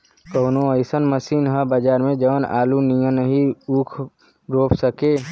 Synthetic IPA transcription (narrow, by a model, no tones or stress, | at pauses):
kəːnoəɪsənməsiːnɦə̃bəd͡ʒaːɾmẽd͡ʒəʋəna̰ːlunijə̃nəɦiuːkʰ | ɾoːpʰsəkeː